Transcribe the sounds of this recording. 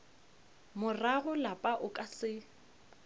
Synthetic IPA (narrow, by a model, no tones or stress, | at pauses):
mʊraɣʊlapʼaʔʊkʼasɪ